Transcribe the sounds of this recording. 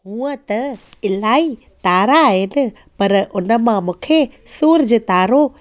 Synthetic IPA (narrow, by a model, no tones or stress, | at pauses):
ɦũːət̪ɐɪlaːi | t̪aːɾaːɦɪnɪ̆ | pɐɾʊnə̆mãmũːkʰe | suːɾd͡ʑeːt̪aːɾo